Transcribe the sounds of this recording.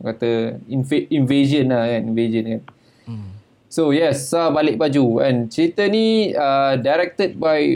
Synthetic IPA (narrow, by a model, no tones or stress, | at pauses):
kat̪əinfeinved͡ʒə̃nlakanĩnved͡ʒə̃nkan | sojɛsabalɪʔ̚bad͡ʒuɛ̰̃nt͡ʃɾit̪əniadaɾɛk̚t̪əd̚baj